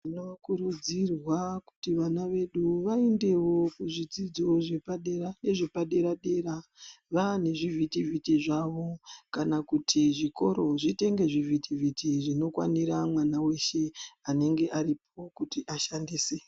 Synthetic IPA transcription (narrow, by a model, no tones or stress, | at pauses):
inoʋakuɾud͡zirwaku̥tiʋanaʋe̞ɗuʋaende̞wo̞kuʐid͡zid͡zo̞ʐe̞paɗe̞ɾane̞ʐe̞paɗe̞ɾaɗe̞ɾaʋane̞ʐivʱitivitiʐaʋo̞kanakutʰiʐiko̞ɾo̞ʐite̞ŋɡe̞ʐivitivitiʐino̞kwa̰niɾamwanawe̞ʃe̞ane̞ŋɡe̞ʔaɾip̚o̞kutiʔaʃandiːse